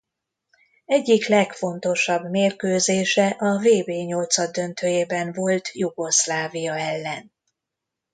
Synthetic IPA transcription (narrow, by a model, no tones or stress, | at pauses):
ɛɟːiklɛkfo̞nt̪o̞ʃɒbmeːrkøːzeːʃɛʔɒveːbeːɲo̞lt̪sɒd̪d̪ø̞nt̪ʰøːjeːbɛɱvo̞lt̪juɡo̞slaːvijɒɛlːɛn